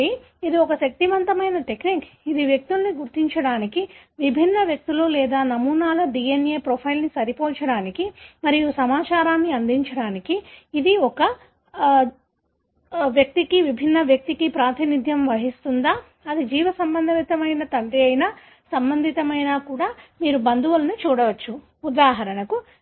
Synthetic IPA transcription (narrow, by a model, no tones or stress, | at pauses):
i | id̪iɔkɐʃɐk̚t̪iʋɐnt̪ɐmɐjnɐʈe̞kniːkid̪iʋjek̚t̪ulɐniɡuɾt̪iɲt͡ʃɐɽaːnikiʋibʱinːɐʋjɐk̚t̪ululɛːd̪aːnɐmuːnaːlɐɖiːenjeːpɾopʰɐjlnisɐɾipoːt͡ʃɐɽaːnikimɐɾiosɐmaːt͡ʃaːɾaːnːiɐnd̪iɲt͡ʃɐɽaːnikiːd̪iɔkɐ | ʋjɐk̚t̪ikiʋibʱinːɐʋjɐk̚t̪ikipɾaːt̪ʰinid̪ʱjɐmʋɐɦist̪und̪aː | ɐd̪id͡ʒiːʋɐsɐmbɐnd̪ʱɐʋit̪ɐmɐjnɐt̪ɐɳɖiɐjnɐ | sɐmbɐnd̪ʱit̪ɐmɐjnaːkuːɽaːmiːɾubɐnd̪uʋɐlɐnut͡ʃuːɽɐʋɐt͡ʃːu | ud̪aːɦɐɾɐnɐku